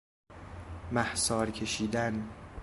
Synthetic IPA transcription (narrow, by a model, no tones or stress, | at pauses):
mæhsɒːɾcʰe̞ʃiːd̪æn